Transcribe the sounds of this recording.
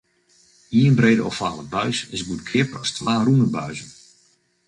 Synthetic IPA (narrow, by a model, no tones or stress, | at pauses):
iənbreːdəɔfaːlˠəbœɥsɪsbut̚kʰɪpərɔstwaːrunəbœɥzən